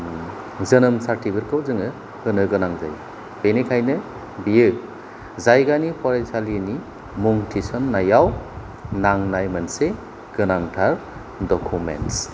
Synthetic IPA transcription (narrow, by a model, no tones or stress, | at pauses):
zɐnɯmsaɾtʰibɯɾkʰɯwzɯŋɯ | hɯnɯɡɯnaŋza̰j | b̥enekʰajnɯ | bijɯ | zajɡanipʰɔɾensalini | muŋtʰisɔnːajaw | naŋnajmɐnse | ɡ̥ɯnaŋtʰaɾ | dɔkʰumḛnts